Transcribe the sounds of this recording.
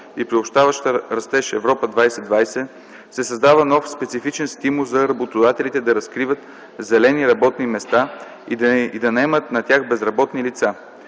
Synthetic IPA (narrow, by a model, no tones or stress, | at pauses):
ipɾiopʃt̪avəʃt̪əɾɐst̪ɛʃɛvɾɔpəd̪vajsɛd̪vajsɛ | sɛsɐzd̪avənɔfspɛt̪sifit͡ʃɛnst̪imulˠzɐɾɐbot̪od̪at̪ɛlit̪ɛd̪ɐɾɐskɾivət̪ | zɛlɛniɾɐbɔt̪nimɛst̪a | id̪id̪ɐnɐɛmət̪nɐt̪ʲjaxbɛzɾɐbɔt̪nilit̪sa